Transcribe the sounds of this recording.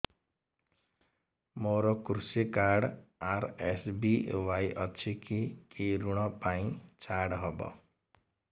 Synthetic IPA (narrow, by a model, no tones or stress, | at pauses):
moɾɔkuɾusekaɽaɾesbiwajʔʌt͡sʰikikeɾuɽ̃ʌpaĩt͡sʰaɽɦʌbʌ̰